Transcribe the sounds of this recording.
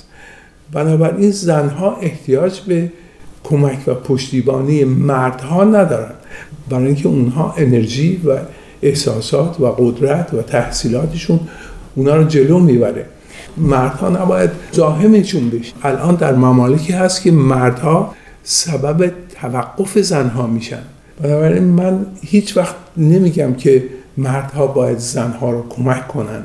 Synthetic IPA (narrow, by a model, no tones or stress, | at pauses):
bænɒːbæɾʔiːnzænɦɒːʔe̞ht̪ʰijɒːd͡ʒbe̞ | kʰo̞mæcʰvæpʰoʃt̪iːbɒːnijemæɾd̪̥hɒːnæd̪ɒːɾænd̪̥bæɾɑːjiŋcʰeunɦɒːʔe̞ne̞ɾʒiːvæ | ehsɒːsɒːt̪ʰvæɣod̪ɾæt̪ʰvæt̪ʰæhsiːlɒːt̪ʰeʃunʔunɑːɾɒːd͡ʒe̞loːmiːbæɾḛ | mæɾd̪̥hɒ̰ːnæbɒːjæd̪zɒːɦe̞meʃunbe̞ʃe̥ʔælʔɒːnd̪æɾmæmɒːlecʰiːhæst̪cʲʰe̞mæɾd̪̥hɒː | sæbæbet̪ʰævæɡːo̞fe̞zænɦɒːmiːʃæ̰nd̪ | b̥enɒːbæɾinmænhiːt͡ʃʰvæxt̪ne̞miːɟæmcʰe̞mæɾd̪̥hɒːbɒːjæd̪zænhɒːɾɒːkʰomækkʰːo̞næ̰nd̪